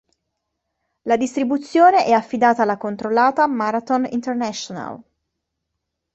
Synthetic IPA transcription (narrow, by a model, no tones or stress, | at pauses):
lad̪ist̪ɾibut̪sːjoːneʔɛafːid̪aːt̪aːlːakont̪ɾolːaːt̪amaɾat̪onḭnt̪ernɛʃona̰l